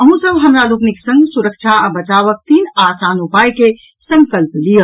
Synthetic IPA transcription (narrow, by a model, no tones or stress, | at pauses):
əɦũsəbɦəmɾalukniksə̃ŋɡsuɾəkt͡ʃʰaəbət͡ʃaʋək̚t̪iːnasanupajke | sə̃ŋkəlplijəl